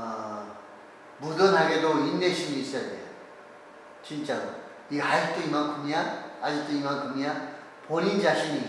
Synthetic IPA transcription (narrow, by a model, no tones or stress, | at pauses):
bud̪ɯnhaɡed̪oinːeɕʰiniːs͈jad̪ej | t͡ɕʰint͡ɕado | ihait̪͈ɯimaŋkʰunijaad͡ʑit̪ɯimaŋkʰumija | ponind͡ʑaɕʰini